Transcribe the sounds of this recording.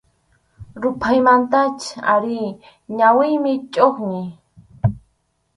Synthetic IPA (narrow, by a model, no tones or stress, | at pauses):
ɾʊpʰajmant̪at͡ʃa̰ɾi | ɲawɪjmɪt͡ʃʼoχɲɪ